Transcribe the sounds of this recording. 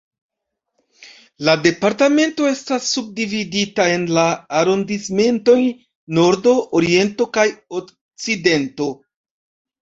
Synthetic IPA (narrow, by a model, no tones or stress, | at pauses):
lade̞paɾtame̞nto̞e̞stasːub̚dividitae̞nlaːɾo̞ndisme̞nto̞j | no̞ɾdo̞ʔoɾie̞nto̞kajok | t͡side̞nto̞